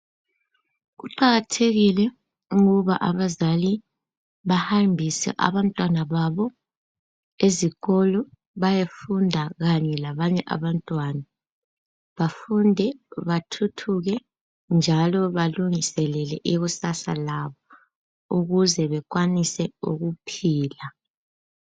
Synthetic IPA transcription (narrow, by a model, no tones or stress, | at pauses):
ɣuǃaɣatʰeɣilɛ | uɣuβaʔaβazali | βahambʱisɛ̰ʔa̰βantʼwanaβaβɔ | eziɣɔlɔ | βajefundʱaɣaɲɛlaβaɲɛʔa̰βantʼwaːna | βafundʱɛβatʰutʰuɣɛ | nd͡ʒʱalɔβaluŋisɛlɛlɛʔiɣusasalaβɔ | uɣuzɛβɛk̬ʼwanisɛuɣupʰiːla